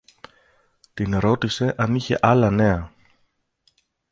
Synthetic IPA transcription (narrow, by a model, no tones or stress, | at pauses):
t̪inɾo̞t̪ise̞ʔɐniçe̞ʔɐlɐne̞ɐ